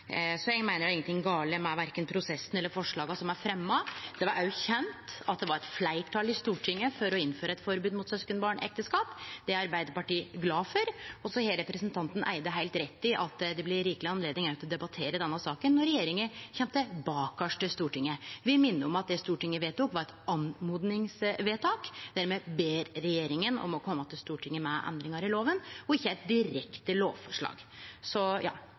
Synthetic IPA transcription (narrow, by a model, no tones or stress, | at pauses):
sɔjɛɡmæɪnəɖɛɪŋənt̪ɪŋːɡɑːləmɛʋæɾkənpʰɾʊsɛsːn̩ɛlːəɾfɔʂɭɑːɡɑsɔmæɾfɾɛmːɑd̪̥ɛʋɑɾʔɑʉçɛnt̪ɑt̪̚d̪ɛʋɑɾɛt̪flæɪʈʰɑːlɪst̪uːʈʰɪŋːəfɔɾɔɪnːføːɾɑɛt̪fɔɾbʉːd̪mʊt̪sœskənbɑːɳɛ̰k̚t̪əskɑːpd̪ɛɑɾbæɪd̪əɾpɑʈiːɡlɑːfɔɾɔsɔhelɾɛpɾəsənt̪ʰɑnt̪ənʔæ̰ɪd̪əɦæɪlt̪ɾɛt̪ːɪʔɑt̪ːd̪ɛblɪɾiːklɪɑnleːd̪nɪŋæʉt̪ɔd̪ɛbɑt̪ʰeːɾəd̪ɛnːɑsɑːkənːɔɾɛjeːɾɪŋəçɛmt̪əbɑːkɑʂʈəst̪uːʈɪŋːəʋɪmɪnːəɔmɑt̪̚d̪ɛst̪uːʈɪŋːəʋeːt̪uːkʋɑɾɛt̪ɑnmuːd̪nɪŋsʋeːt̪ʰɑːkd̪æɾmɛbeːɾɾɛjeːɾɪŋənɔ̰mɔkʰɔmːət̪ɪlst̪uːʈʰɪŋːəmɛʔɛ̰nd̪ɾɪŋɑɾɪloːʋənɔɪçːəæɪt̪̚d̪ɪɾɛkt̪əloːʋfɔʂɭɑ̰ːɡsɔjɑ̰ː